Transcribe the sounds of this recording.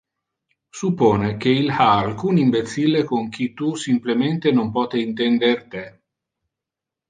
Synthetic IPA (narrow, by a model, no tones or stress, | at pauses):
supːoːnek̟eilhaːlkuniɱbet̪silːekoŋk̟it̪usimplement̪enompɔːt̪eint̪ɛnd̪ert̪e